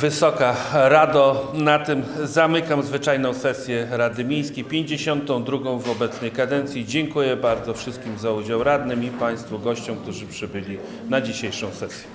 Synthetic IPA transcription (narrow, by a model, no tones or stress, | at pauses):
vɘsɔkaɾad̪ɔnat̪ɘmzamɘkamzvɘt͡ʂajnɔ̃w̃sɛsʲjɛɾad̪ɘmʲej̃skʲejpʲjeɲd͡ʑeɕɔnt̪ɔ̃w̃d̪ɾuɡɔ̃w̃vɔbɛt̪snɛjkad̪ɛnt̪sʲjid͡ʑɛŋkujɛbaɾd̪zɔfʂɘst̪̚kʲimzaud͡ʑawɾad̪nɘmipaj̃st̪fuɡɔɕt͡ɕɔ̃wk̚t̪uʐɘpʂɘbɘlʲi | nad͡ʑiɕejʂɔ̃w̃sɛsʲjɛ